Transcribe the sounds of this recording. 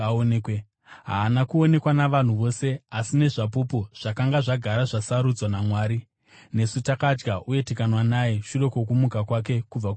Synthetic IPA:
onekwe | ɦa̰ːnakuo̞ne̞kwanaʋan̤uʋo̞ːse̞asine̞ʐapupuʐ̥akaŋɡaʐaɡʱaɾaʐasaɾud͡zwanamwaːɾi | ne̞sutakad͡ʒɡaʔue̞tekanwanajeʃure̞kok̬umukakwak̬e̞kub͡vak

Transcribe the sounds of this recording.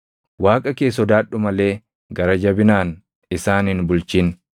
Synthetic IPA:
waːkʼɐke̞ːs̬ɔd̪aːɗːʊmɐle̞ː | ɡɐɾɐd͡ʒɐbɪnaːn | ɪsaːnhɪnbʊlt͡ʃiːn

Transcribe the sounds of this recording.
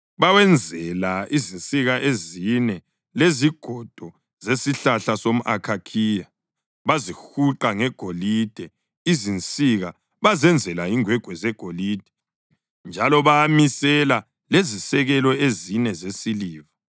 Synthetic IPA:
βawɛnd͡zʱɛlaizint͡sʼiɣaʔezinɛ | leziɡ̥ʱɔd̥ʱɔ | zesiɬaɬasom̩ʔakʰakʰiːja | βazixuǃaŋɛɡ̥ʱolid̥ʱɛ | izint͡sʼiɣa | βazɛnd͡zʱɛlaiŋwɛɡ̥ʱwɛzɛɡ̥ʱoliːd̥ʱɛ | nd͡ʒʱalɔβamisɛla | lezisɛɣɛlɔezinɛzesiliːva

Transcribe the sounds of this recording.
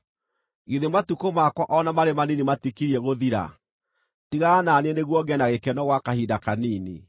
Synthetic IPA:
iðematukomakwɔʔɔnamaɾemaninimatikiɾiɛɣoðiɾa̰ | tiɣananɛneɣwɔɡɛnaɣekɛnɔɣwakahidakaniːnḛ

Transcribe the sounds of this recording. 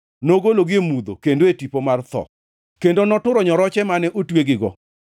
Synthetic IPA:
noɡoloɡiemud̪o̰kendoetipomart̪ɔ̰ | kendonɔtʊɾɔɲɔɾɔt͡ʃɛmanɛʔotweɡɪɡɔ̰

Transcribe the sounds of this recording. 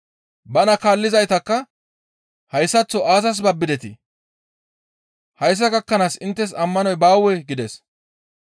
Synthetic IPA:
bɐnɐkaːlːɪzɐjt̪ɐkːɐ | hɐjsːɐt͡sːɔʔaːsɐs̬bɐbːɪd̪ɛt̪ɪ | hɐjs̬ːɐɡɐkːɐnaːsɪnt̪ːɛs̬ɐmːɐnɔjbaːwɛɡɪd̪ɛs

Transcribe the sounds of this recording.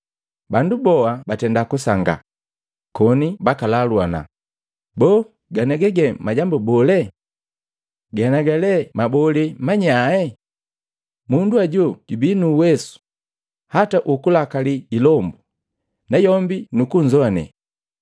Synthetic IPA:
bandubɔabatɛndakusaŋɡa̰ | kɔnibakalalwana̰ | bɔː | ɡanɛɡɛɡɛmaɟambubɔlɛ | ɡanaɡalɛmabɔlɛmaɲaɛ | munduaɟɔɟ̥ubinuwɛsu̥ | hataʔukulakaliːlɔmbu | najɔmbinukuɲzɔanɛ̰

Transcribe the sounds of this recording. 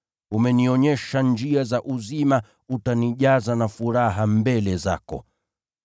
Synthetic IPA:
umɛniɔɲɛʃand͡ʒiazaʔuzima | utaniʄazanafuɾaɦambɛlɛza̰kɔ̰

